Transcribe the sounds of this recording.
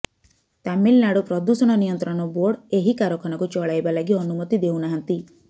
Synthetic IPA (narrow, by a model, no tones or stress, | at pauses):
t̪amilnaɽupɾɔd̪usɔɽ̃ɔnijɔnt̪ɾɔɳ̃ɔboɽeɦikaɾɔkʰɔñɔkut͡ʃɔɭajbalaɡiɔnumɔt̪id̪ewnaɦant̪i